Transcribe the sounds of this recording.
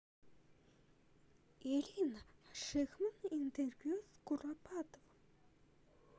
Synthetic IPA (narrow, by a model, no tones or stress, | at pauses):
eɮʲinʃexmə̆nint̪ʰervjuskurapʰat̪əw